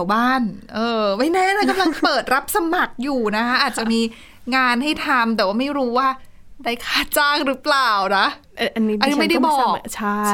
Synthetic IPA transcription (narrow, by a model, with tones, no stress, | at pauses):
wbaː˥˩nʔɤː˧wa˦˥˩nɛ˦˥˨na˧˥˩ka˧mla˧ŋpɤː˨˩t̪̚ɾa˦˥p̚sa˧ma˨˩k̚juː˨˩na˦˥kʰa˦˥ʔaː˨˩t̪̚a˨˩ʔmiː˧ | ŋaː˧nɦa˥˩jt̪ʰa˧mt̪̬ɛ˨˩waː˥˩ma˥˩jɾuː˦˥waː˥˩ | daː˥˩jkʰaː˥˩t͡ɕaː˥˩ŋɾɯ˦˥plaː˨˩wna˦˥ʔ | ʔa˧nːiː˦˥˧nː˧i˦ma˥˩jda˥˩jbɔː˨˩k̚t͡ɕʰa˥˩